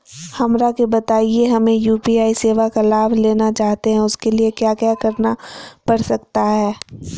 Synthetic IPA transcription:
hɐmɾakebɐt̪aːieɦɐmẽjuːpiaːiseːʋakalaːʋleːnat͡ʃaːɦt̪eɦɛ̃ʊskeliekjaːkjaːkɐɾnapɐɽsɐkt̪aɦɛː

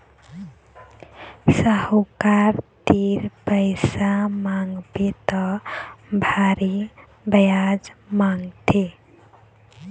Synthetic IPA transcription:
səhokaɾt̪iɾpəjsamaŋɡbet̪ɔ | bʱaɾi | bəjad͡ʒmaŋɡt̪ʰe

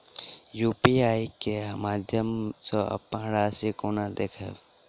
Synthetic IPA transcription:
juːpiaːikeɦmaːd̪ʱjəmsoɐ̰pə̃ɦɽasikonad̪eːkʰɛ̰

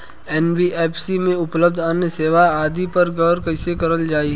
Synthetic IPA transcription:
ɛːnbiʔeːpʰsimẽʊpləb̚d̪ʱanjəseːʋaaːd̪ipɐɾɡɐʋɾkɐɪsekɐɾəld͡ʒaːi

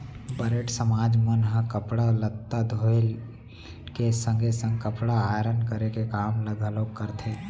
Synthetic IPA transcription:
bəɾeʈsəmaːd͡ʒmənɦəkəpɽalət̪ːad̪ʱoːl | kesə̃ŋɡʱesə̃ŋɡkəpɽaaːɾənkəɾekekaːmləɡʱəloːkkːəɾt̪ʰeː

